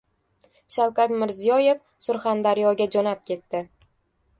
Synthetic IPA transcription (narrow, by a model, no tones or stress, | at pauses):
ʃawkʲat̪mɪɾzijɒje̞f | sʊɾχand̪aɾjɒɡʲad͡ʒɒnap̚kʲʰe̞t̪ːɪ